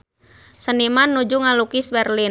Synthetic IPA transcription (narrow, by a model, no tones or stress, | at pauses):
sənimanːud͡ʒuŋalukisbɛrlin